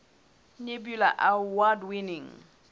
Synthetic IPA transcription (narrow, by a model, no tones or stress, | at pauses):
ɲebjula̰ʔawadwinɪŋ